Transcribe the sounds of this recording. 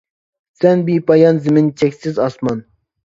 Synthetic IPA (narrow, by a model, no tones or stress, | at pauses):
sɛnbipɑjɑnzɪmɪnt͡ʃʰɛkʲsɪzɑsmɑn